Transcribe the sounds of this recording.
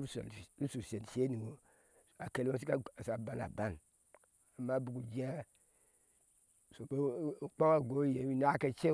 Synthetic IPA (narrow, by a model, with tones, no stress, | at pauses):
u˦sɾu˦su˨se˨n˨se˦ni˨wo˨ | a˨ke˨lo˦si˦ka˦˨sa˨ba˦na̰˨ba˦˨n | a˨ma˦bu˨ku˨d͡ʒi˦a˦ | so˨be˦k͡pa˦wa˦˨ɡo˦je˨wi˦n˦a˦ke˦t͡ʃe˦